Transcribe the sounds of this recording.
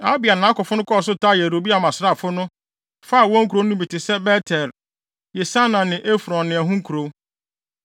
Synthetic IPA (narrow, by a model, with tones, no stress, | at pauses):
a˦bi˨a˨nã˨˦kɔ˨fʊ˦nʊ̃˦kʰɔ˦ɔ˨s̬ʊ˦ta˦˨jɛ˨ɾo˨bi˦a˨mã˨sɪ˦ɾa˦˨fʊ˦nʊ̃˦ | fa˦˨wɔ̃˦ŋ̩˦ku˨ɾo˦nʊ̃˦bi˨tɪ˨sɛ˦bɛ˦tʰɛ˨ɾ | jɛ˨sa˦nã˨nɪ̃˨ʔe˦fɾɔ̃˨nːɪ̃˨æ˨ɦũ˦ŋ̩˦kʰu˨ɾo˨